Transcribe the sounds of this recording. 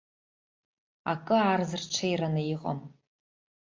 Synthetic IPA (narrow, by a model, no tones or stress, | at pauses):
akʼɨaːrzɨrʈ͡ʂʷʰajranɨjiqʼa̰m